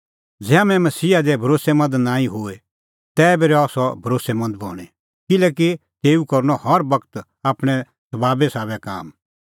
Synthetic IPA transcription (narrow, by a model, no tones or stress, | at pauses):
d͡zɛːamɛ̃mɐsiːad̪ɛbʱɐɾoːsɛmɐ̃nd̪nãːĩɦʊe | t̪ɛːbeɾɛɔːsɔbʱɐɾoːsɛmɐ̃nd̪̚bʱɔ̰ːɽ̃ɛ | kɪlɛːk̬it̪eːukɐɾnɔhɔɾbɐkt̪ | aːpɽ̃ɛ | sɐbaːbɛsaːβɛka̰ːm